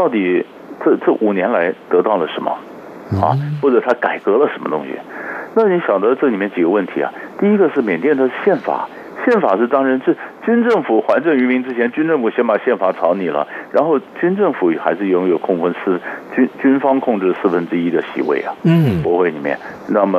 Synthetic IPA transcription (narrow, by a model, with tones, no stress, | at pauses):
t̪ɑ˥˩ʊt̪i˨˩ | ʈ͡ʂɤ˥˧ʈ͡ʂɤ˥˩ʔu˨˩njɛ˧˥nla˧˥ɪt̪ɤ˧˥t̪ɑ˥˩ʊlə˩ʂə˧˥nmə̰˧ | xɑ̰˧˩xwɔ˥˩ʈ͡ʂɤ˨˩t̪ʰa˥ka˨˩ɪkɤ˧˥lə˨ʂə˧˥nmə˧t̪ʊ̰˥ŋɕḭ˨˩na˥˩ni˧˥ɕjɑ˨˩ŋd̪ə˦ʈ͡ʂɤ˥˩˨li˨˩mjɛ˥˩t͡ɕi˨˩ɡə˦wə˥˩nt̪ʰi˧˥ɐ̰˨˩t̪i˥˩i˥ɡə˧ʂɻ̩˥˩mjɛ˨˩nt̪jɛ˥˩nd̪ə˧ɕjɛ˥˩nfa̰˨˩˦ | ɕjɛ˥˩nfa̰˨˩ʂɻ̩˥˩t̪ɑ˥ŋɻə˧˥nʂɻ̩˥˧˩t͡ɕy˥nʈ͡ʂɤ˥˩ŋfu˨˩xwa˧˥nʈ͡ʂɤ˥˩ŋy˧˥mi˧˥ŋʈ͡ʂɻ̩˥t͡ɕʰɛ˧˥nt͡ɕy˥nʈ͡ʂɤ˥˩ŋfu˨˩ɕjɛ˧˥npa˨˩ɕjɛ˥˩nfa˨˩ʈ͡ʂʰɑ˧˥ʊni˨˩lə̰˦ɻa˧˥nxo˥˩ʊt͡ɕy˥nʈ͡ʂɤ˥˩ŋfu˨˩xa˧˥ɪʂɻ̩˥˩jʊ˧˥ŋjo˨˩ʊkʰʊ˥˧ŋfə˥nsɹ̩˥˩t͡ɕy˥nt͡ɕy˥nfɑ˥ŋkʰʊ˥˧ŋʈ͡ʂɻ̩˥˩sɹ̩˥˩fə˥nʈ͡ʂɻ̩˥i˥d̪ə˨ɕḭ˧˥wḛ˥˩ɪɐ̰˩pwɔ˧˥xwe˥ɪni˨˩mjɛ̰˥˩n | na˥˩mə˩